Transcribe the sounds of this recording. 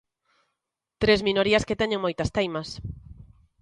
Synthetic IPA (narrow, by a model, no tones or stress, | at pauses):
t̪ɾezmĩnoɾiɐsket̪ɛɲẽŋmojt̪ɐst̪ejmɐs